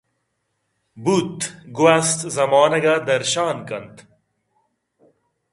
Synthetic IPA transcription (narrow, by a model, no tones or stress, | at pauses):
but̪ɡuast̪zɐmɑːnɐɡad̪ɐɾɕɑːnkɐnt̪